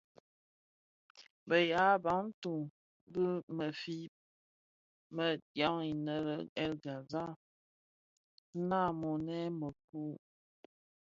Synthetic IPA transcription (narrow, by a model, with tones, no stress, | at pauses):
bə˨ja˨˦ba˨˦ŋn̩˦tu˨ | bə˦mə˨fi˦ | mə˨djɔ˦ŋi˨nə˦˨ɾə˨ɛ˦lɡa˨za˦ | na˦˨mo˨nɛ˦mə˨k̚u˦